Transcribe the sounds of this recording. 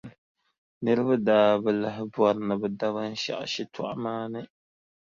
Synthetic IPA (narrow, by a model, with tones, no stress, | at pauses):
nɨ˦ɾɨ˦ba˦daː˨bɨ˦la˦ɦɪ˦bwɔ˦ɾnɨ˨bɨ˨da˦βa˦n̩˦ʃa̰˦˨ʔa̰˨ʃi˦tʰɔ̰˨ʔa˦maː˦nɨ˦